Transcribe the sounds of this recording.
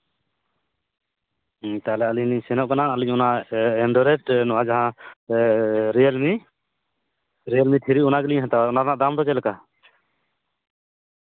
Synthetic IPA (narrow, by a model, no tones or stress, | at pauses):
t̪alɛaliɲniɲsɛnɔʔkanaaliɲɔnaɛnɖɔɾɛʈnɔʔad͡ʒaɦã | ɾɛjɛlmi | ɾɛjalmiʈʰiɾiɔnaɡɛliɲɦat̪aɔnaɾnaʔd̪amd̪ɔt͡ʃɛlɛka